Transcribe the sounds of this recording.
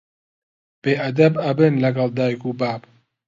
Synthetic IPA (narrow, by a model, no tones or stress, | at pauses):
b̥eːʔɐd̪ɐbɐbɨnlɐɡɐld̪aːjkuːbaːb